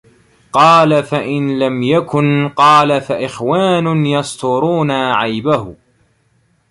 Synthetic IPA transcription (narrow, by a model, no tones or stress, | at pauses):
qɑːlafaʔɪnlamjakʊnqɑːlafaʔɪxwaːnʊjɑst̪ʊɾuːnaʕajbahʊ